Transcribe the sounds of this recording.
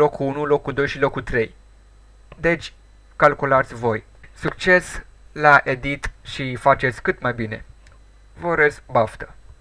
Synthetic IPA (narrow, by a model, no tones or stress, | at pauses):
lo̞kʰːuunulo̞kːud̪o̞jʃilo̞kːut̪ɾe̞j | d̪e̞t͡ʃʲ | kalkulat̪sʲvo̞j | sukt͡ʃe̞slaʔe̞d̪it̪ʃifat͡ʃe̞t̪sʲkɨt̪majbine̞̰ | vəɾeskbaft̪ə